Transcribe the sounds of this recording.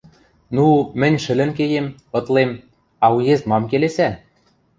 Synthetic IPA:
numɘ̆nʲʃɘ̆lɘ̆nk̬ejemɤ̆t̪lem | ɑujezmɑmkelesæ

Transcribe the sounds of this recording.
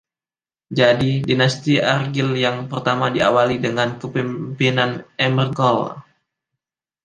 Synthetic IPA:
d͡ʒadidinast̪iarɡiljaŋpərt̪amadiawalidəŋankəpimpinanɛmərɡɔl

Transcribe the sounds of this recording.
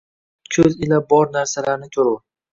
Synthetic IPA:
kʲʰɵzɪlabɒɾnaɾsalaɾnɪt̪ʰʊɾʊ

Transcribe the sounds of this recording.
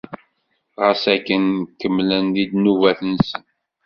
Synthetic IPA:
ʁəsækːənkːəmːlənlid̪nuvæθənsən

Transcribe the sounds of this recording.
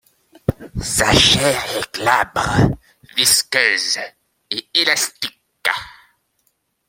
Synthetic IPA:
saʃɛːʁɛklabʁ | viskʲøːz | eelast̪ik

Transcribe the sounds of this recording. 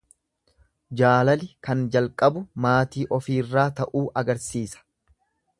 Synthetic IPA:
d͡ʒaːlɐlɪkɐnd͡ʒɐlkʼɐbʊmaːt̪iːʔɔfiːrːaːt̪ɐʔuːʔɐɡɐɾsiːsɐ̥

